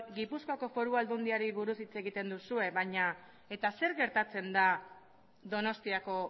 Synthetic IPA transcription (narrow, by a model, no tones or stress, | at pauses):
ɡipuskoako̞fo̞ɾuald̪und̪iaɾiβuɾusit͡se̞ɣit̪e̞nd̪usue̞βaɲa | e̞t̪ase̞ɾɣe̞ɾt̪at͡se̞nd̪a | ðo̞no̞st̪iako̞